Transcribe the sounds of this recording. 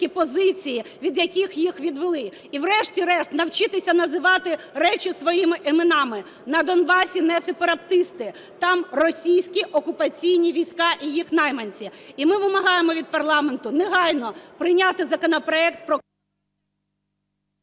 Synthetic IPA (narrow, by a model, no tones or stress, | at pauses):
ipɔzɪt͡sʲijiʋʲid̪jɐkʲixjixʋʲid̪ʋelˠɪ | iwɾɛʃtʲiɾɛʃt̪nɐwt͡ʃɪt̪ɪsʲɐnɐzɪʋɑt̪ɪrɛt͡ʃʲisʋɔjimɪʔɪmenɑmɪ | nɐd̪ɔnbɑsʲinɛspeɾɐpt̪ɪst̪ɪ | t̪ɑmrɔsʲijsʲkʲiʔɔkʊpɐt͡sʲijnʲiʋʲijsʲkɑʔijixnɑjmɐnʲt͡sʲiimɪʋɪmɐɦɑjemɔʋʲid̪̚pɐrlˠɑment̪ʊneɦɑjnɔpɾɪnʲat̪ɪzɐkɔnɐpɾɔɛkt̪̚pɾɔ